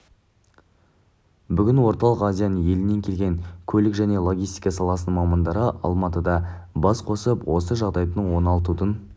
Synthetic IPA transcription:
bʏɡʲɪnwo̞ɾt̪ɑlˠəqɑzijanənje̞lɪne̞ŋkʲʰe̞lɡʲe̞ŋkʲʰɵlɪkʒæne̞lˠoɡʲijst̪ijkɑsɑlˠɑsənmɑmɑnd̪ɑɾəʔɑ̰lˠmɑt̪əd̪ɑbɑsqʰo̞səpwo̞səʒɑʁd̪ɑjd̪əɴwo̞nɑlˠt̪ut̪ən

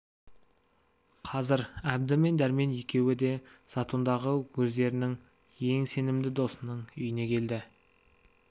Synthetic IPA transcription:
qʰɑzɪɾæb̚d̪ɪme̞nd̪æɾme̞nje̞kʲe̞wɪd̪e̞sɑt̪ʰund̪ɑʁəwɵzd̪e̞ɾɪnɪŋ | je̞ŋse̞nɪmd̪ɪd̪o̞sənəɴʏjɪne̞kʲʰe̞ld̪ɪ

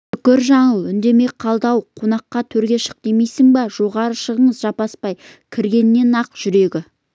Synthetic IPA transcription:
ʏkʲɪɾʒɑɴəlˠʏnd̪e̞me̞qʰɑlˠd̪ɑwqʰo̞nɑqːɑt̪ʰɵɾɡʲe̞ʃə̥q̚d̪̥emejsɪŋbɑʒ̥o̞ʁɑɾəʃəʁəɴəzʒɑpɑspɑj | kʲʰɪɾɡʲe̞nɪːe̞nɑqʒ̥ʏɾe̞ɡʲɪ

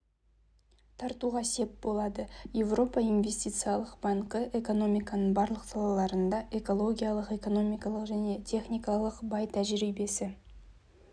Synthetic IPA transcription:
t̪ʰɑɾt̪uʁɑsp̚bo̞lˠɑd̪əje̞vro̞pɑinvʲe̞st̪ʲijt̪sɨjalˠəqbɑɴqəʔe̞ko̞no̞mijkɑnəɴbɑɾlˠəqsɑlˠɑlˠɑɾənd̪ɑʔe̞ko̞lˠo̞ɡʲijalˠəqe̞ko̞no̞mijkɑlˠəqʒæne̞t̪ʰe̞χnijkɑlˠəqbɑjt̪ʰæʒɪɾijbe̞sɪ

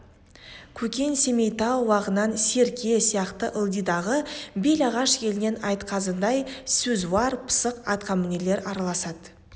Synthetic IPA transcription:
kʲʰɵkʲe̞nse̞me̞jt̪ɑwːɑʁənːɑnse̞ɾkʲʰesijɑqt̪əʔəlˠd̪ijd̪ɑʁəbe̞lɑʁɑʃkʲʰe̞lɪne̞nɑjt̪qʰɑzənd̪ɑjsɵzwɑɾpʰə̥səqɑt̪qʰɑmɪne̞le̞ɾɑɾɑlˠɑsɑd̪̥

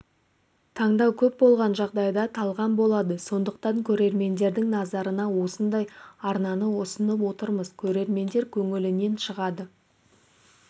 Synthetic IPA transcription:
t̪ʰɑɴd̪ɑwkʲʰɵp̚bo̞lˠʁɑnʒɑʁd̪ɑjd̪ɑt̪ʰɑlˠʁɑnbo̞lˠɑd̪əso̞nd̪əq̚t̪ɑŋkʲʰɵɾe̞ɾme̞nd̪e̞ɾd̪ɪŋnɑzɑɾənɑwo̞sənd̪ɑjɑɾnɑnəwosənəp̬wo̞t̪əɾməzkʲʰɵɾe̞ɾme̞nd̪e̞ɾkʲʰɵŋɪlɪne̞nʃəʁɑd̪ə

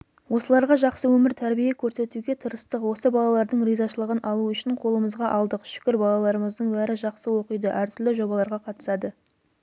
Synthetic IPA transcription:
wo̞səlˠɑɾʁɑʒɑqsəwɵmɪɾt̪ʰæɾbijekʲʰɵɾse̞t̪uɡʲe̞t̪ʰəɾəst̪əqwo̞səbɑlˠɑlˠɑɾd̪əɴrijzɑʃəlˠəʁənʔɑlˠuʏʃɪɴqʰo̞lˠəməzʁɑʔɑlˠd̪əqʃʏ̥kʲɪɾbɑlˠɑlˠɑɾəməzd̪əɴbæɾɪʒɑqsəwo̞qijd̪əʔæɾt̪ʰʏɾlɪʒo̞bɑlˠɑɾʁɑqʰɑt̪ə̥sɑd̪ə

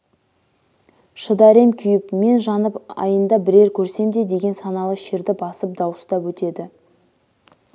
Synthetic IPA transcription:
ʃəd̪æɾe̞mkʲʰʏjɪpme̞nʒɑnəpɑ̰jənd̪ɑbɪɾe̞ɾkʲʰɵɾse̞md̪e̞d̪e̞ɡʲe̞nsɑnɑlˠəʃeɾd̪ɪbɑsəp̚d̪ɑwəst̪ɑpwɵt̪e̞d̪ɪ

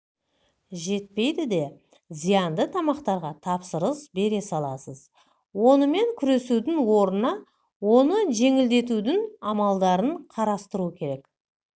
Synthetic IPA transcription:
ʒe̞t̪̚pe̞jd̪ɪd̪e̞ | zijɑnd̪ət̪ʰɑmɑqt̪ɑɾʁɑt̪ʰɑpsəɾəsbe̞ɾe̞sɑlˠɑsəz | wo̞nəme̞ŋkʲʰʏɾe̞sud̪ɪŋwo̞ɾənɑ | wo̞nəʒe̞ŋɪld̪e̞t̪̬ud̪ɪŋɑmɑlˠd̪ɑɾəɴqʰɑɾɑst̪əɾuəkʲʰe̞ɾe̞k

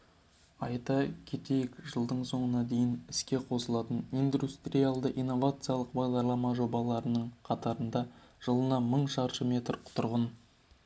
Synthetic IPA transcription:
ɑjt̪ɑkʲʰe̞t̪e̞jekʒəlˠd̪əɴso̞ɴənɑd̪e̞jɪnɪskʲe̞qʰo̞səlˠɑt̪ənijnd̪ust̪rʲijalˠd̪əʔijnːo̞vat̪sɨjalˠəqbɑʁd̪ɑɾlˠɑmɑʒo̞bɑlˠɑɾənəɴqʰɑt̪ɑɾənd̪ɑʒ̥əlˠənɑməɴʃɑɾʃəmʲe̞t̪rqʰʊ̥t̪ʊɾʁən

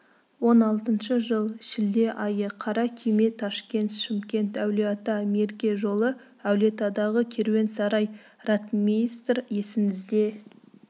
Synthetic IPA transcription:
wo̞nɑlˠt̪ənʃəʒəlˠʃɪld̪e̞ʔɑjəqʰɑɾɑkʲʰime̞t̪ʰɑʃkʲe̞nt̪ʃɪmkʲe̞nt̪æwleat̪ɑme̞ɾɡʲe̞ʒo̞lˠə | æwle̞t̪ɑd̪ɑʁəkʲʰe̞ɾwe̞nsɑɾɑj | rɑt̪mist̪rje̞sɪŋɪzd̪e̞

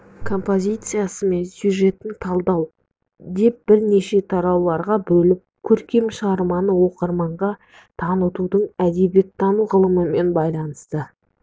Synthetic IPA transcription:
kʰo̞mpo̞zʲijt̪sɨjasəme̞nsʲjuʒe̞t̪ːɪŋt̪ʰɑlˠd̪ɑw | d̪e̞p̚b̥ɪɾne̞ʃe̞t̪ʰɑɾɑwlˠɑɾʁɑbɵlɪp̚kʲʰɵɾkʲe̞mʃəʁɑɾmɑnəwo̞qəɾmɑɴʁɑ | t̪ʰɑnət̪ud̪əɴæd̪e̞bje̞t̪ʰːɑnuʁəlˠəməme̞nbɑjlˠɑnəst̪ə

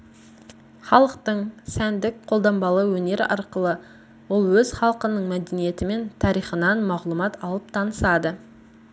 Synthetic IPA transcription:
χɑlˠəqt̪əɴsænd̪ɪk̚qʰolˠd̪ɑmbɑlˠəwɵne̞ɾɪ̰ʔɑ̰ɾqəlˠə | wʊlˠwɵzχɑlˠəqənəɴmæd̪enije̞t̪ɪme̞nt̪ʰɑɾijχənɑnmɑʁlˠumɑt̪ʰɑlˠəp̚t̪ʰɑnəsɑd̪ə

